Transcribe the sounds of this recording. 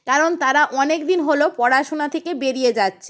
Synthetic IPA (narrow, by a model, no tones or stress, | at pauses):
kaɾont̪aɾaʔɔnek̚d̪inɦolopɔɽaʃonat̪ʰekebeɾied͡ʑatːɕʰe